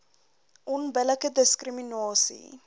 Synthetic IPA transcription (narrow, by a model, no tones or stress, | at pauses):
ʔɔnbələkədəskriminɑːsḭ